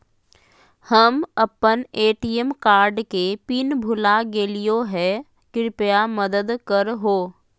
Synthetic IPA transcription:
həmɐpːəneːʈijemkaːɾɖkepinbʱʊlaɡeːlijoɦɛ | kɪɾɪpjaməd̪əd̪kəɾɦoː

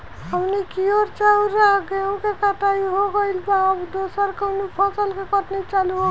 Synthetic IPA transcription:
ɦəmnikioɾt͡ʃauɾaɡaũkekat̪aiɦoɡəɪlbaːbd̪osəɾkənupʰɔsəlkekʌʈnet͡ʃaluɦo

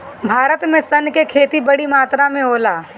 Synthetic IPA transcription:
bʱaːɾət̪mẽsɐnkekʰeːt̪ibɐɽimaːt̪ɾamẽoːlaː

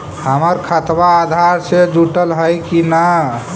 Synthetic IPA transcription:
həməɾkʰət̪baːd̪ʱaɾsed͡ʒuʈəlɦəjkina

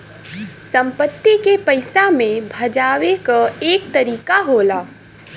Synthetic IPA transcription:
sɐ̃mpət̪ːikepɐɪsamẽbʱɐd͡ʒaːwekaeːk̚t̪ɐɾiːkaɦoːlaː

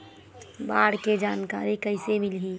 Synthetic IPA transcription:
baːɽked͡ʒaːnka̰ːɾikəɪsemɪlɦi

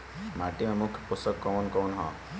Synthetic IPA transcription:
maʈimemukʰpusəkːɔːnkɔːnɦɔ̰̃

